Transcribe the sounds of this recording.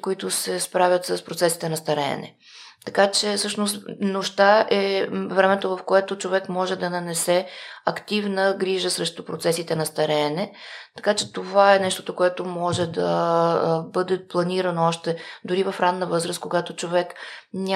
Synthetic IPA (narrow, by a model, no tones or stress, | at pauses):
koit̪ʊsɛspɾavʲət̪səspɾot̪sɛsi̥t̪ɛnɐst̪ɐɾɛ̰ːnɛ̰ | t̪ɐkat͡ʃɛsɤʃnost̪noʃt̪aʔɛvɾɛmɛt̪ovɐfkoɛt̪ot͡ʃovɛkmɔʒɛd̪ɐnɐnɛsɛɐkt̪ivnəɡɾiʒəsɾɛʃt̪ʊpɾot̪sɛsit̪ɛnɐst̪ɐɾɛnɛt̪ɐ̥kat͡ʃɛt̪ovaɛnɛʃt̪o̥t̪okoɛt̪omɔʒɛd̪ɐ | bɤd̪ɛplˠɐniɾənoɔʃt̪ɛd̪ʊɾivɐfɾanːəvɤzɾəskoɡat̪ot͡ʃovɛknʲ